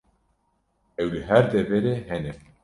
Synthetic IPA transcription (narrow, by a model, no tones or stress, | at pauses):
ɛwləɦæɾd̪eveɾeɦɛne